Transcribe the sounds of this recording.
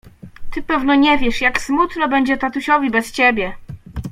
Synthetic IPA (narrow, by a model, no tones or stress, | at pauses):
t̪ɘpɛvnɔɲɛvʲjɛʂjaksmut̪nɔbɛɲd͡ʑɛt̪at̪uɕɔvʲibɛst͡ɕebʲjɛ